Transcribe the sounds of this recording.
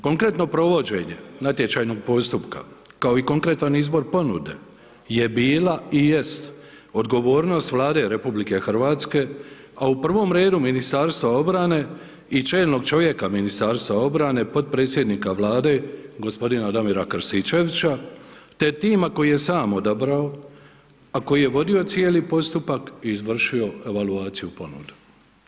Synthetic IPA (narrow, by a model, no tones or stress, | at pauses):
ko̞ŋkɾe̞t̪no̞pɾo̞ʋo̞d͡ʑe̞ɲe̞nat̪je̞t͡ʃaːjno̞ɡ̚po̞st̪upka̰ | kao̞iko̞ŋkɾe̞t̪anizbo̞ɾpo̞nud̪e̞̰ | je̞biːlaije̞st̪ | o̞d̪ɡo̞ʋo̞ːɾno̞st̪ʋlˠaːd̪e̞ɾe̞publike̞xr̩ʋaːt̪ske̞ | aupr̩ʋo̞mɾe̞ːd̪uminist̪aːɾst̪ʋao̞bɾane̞ | it͡ʃe̞ːlno̞ɡt͡ʃo̞ʋje̞kaminist̪aːɾst̪ʋao̞bɾane̞po̞t̪̚pɾe̞ːt̪sʲje̞d̪nikaʋlaːd̪e̞ɡo̞spo̞d̪inad̪amiɾakɾsit͡ʃe̞ʋit͡ɕat̪e̞t̪iːmako̞jije̞saːmo̞d̪abɾao | ako̞jije̞ʋo̞d̪io̞t̪sje̞ːlipo̞st̪upakiːzʋr̩ʃio̞e̞ʋaluaːt̪sijupo̞nṵd̪u̥